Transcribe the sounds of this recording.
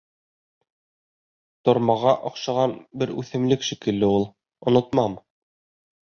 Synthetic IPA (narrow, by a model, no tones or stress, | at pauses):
t̪ŏɾmɑʁɑʔɑqʃɑʁɑnbɘɾʉ̰θɘ̆mlɘkʃikɘ̆lːɘulˠ | ŏnŏt̪mɑm